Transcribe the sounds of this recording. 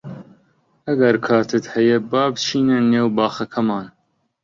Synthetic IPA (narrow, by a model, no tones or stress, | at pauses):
ɐɡɐɾkʰɑːt̪ʰɨt̪hɛjɛbɑːbt͡ʃʰiːnɛnːeːwbɑːxɐkʰɐmɑːn